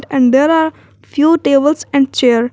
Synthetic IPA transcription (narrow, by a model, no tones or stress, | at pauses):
ʈɛ̃ɳɖd̪eːɾaːɾ | fʰjuːʈeːbəlsɛ̃ɳɖt͡ʃeːəɾ